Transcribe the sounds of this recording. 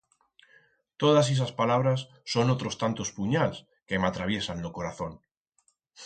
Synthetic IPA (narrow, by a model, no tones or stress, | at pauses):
t̪oðas̬es̬aspalaβ̞ɾasːonot̪ɾost̪ant̪ospuɲals | kemat̪ɾaβ̞jesanːokoɾaθõn